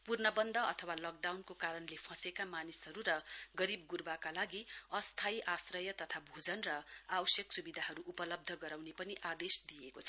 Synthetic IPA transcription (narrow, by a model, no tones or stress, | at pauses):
purnʌbʌnd̪ʱʌʌt̪ʰʌwalʌk̚ɖawnkokaɾʌnlepʰʌ̃sekamanisɦʌɾuɾʌɡʌɾib̚ɡurbakalaɡiʌst̪ʰajʔasrʌjʌt̪ʌt̪ʰabʱud͡zʌnrʌawʌsjʌksubid̪ʱaɦʌɾuʔupʌlʌb̚d̪ʱʌɡʌɾawnepʌniʔad̪esd̪ijekot͡sʰʌ̥